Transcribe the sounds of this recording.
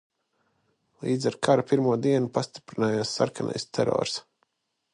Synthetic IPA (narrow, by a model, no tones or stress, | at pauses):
lˠiːd̪zɛɾkʰaɾupiɾmuɔd̪iɛnupast̪i̥pɾinaːjaːsːa̰ɾkanɛ̰jst̪ʰɛɾɔ̰ːɾs